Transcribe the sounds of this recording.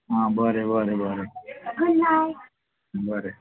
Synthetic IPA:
ɦãbʱəɾebʱəɾebʱəɾeɡʱəlːaj | bʱəɾe

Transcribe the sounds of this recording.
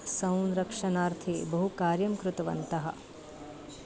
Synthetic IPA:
sɐ̃w̃nɾɐkʂɐnaːɾt̪ʰibɐɦukaːɾjɐmkɾut̪ɐʋɐ̰nt̪ɐɦɐ̰̆

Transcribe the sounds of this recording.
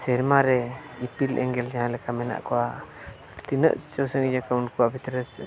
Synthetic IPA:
sɛɾmaɾɛipilʔɛŋɡɛld͡ʒaɦãlɛkamɛna̰ʔkɔwa | t̪inə̰ʔt͡ʃɔwsəŋid͡ʒakaunkuwabʱit̪ɾəs

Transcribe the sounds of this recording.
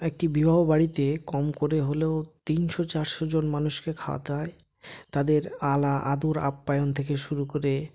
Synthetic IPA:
ek̚ʈibibʱaɦobaɽit̪ekɔmkoɾeɦoleot̪inʃɔt͡ɕaɾʃod͡ʑonmanuʃkekʰawa̰t̪ae | t̪ad̪eɾalaʔad̪oɾa̰pːajont̪ʰekeʃuɾukoɾe

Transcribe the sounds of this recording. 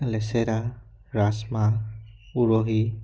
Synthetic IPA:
lɛsɛɾa | ɾasma | uɹɔɦi

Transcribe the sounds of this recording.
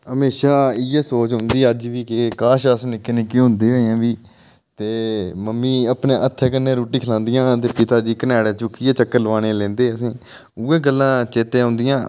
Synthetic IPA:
ɦəmeːʃaːɪjeːsoːt͡ʃɦʊnd̪iːəd͡ʒʋiːkɪkaːʃəsnɪkːeːneːkiɦʊ̃nd̪eːɦoːjãːʋiː | t̪eːməmːiːəpneːʔət̪ʰːeːk̬ənːeːɾuːʈiːkʰəlãːnd̪ɪjãːt̪̬eːpɪt̪aːd͡ʒiːkənɛːɽeːt͡ʃʊkːieːt͡ʃəkːəɾlʋãːñeːlɛ̃ːnd̪eːəsĩː | uːeːɡəlːãːt͡ʃeːt̪ẽːɦʊ̃ːnd̪ɪjãː

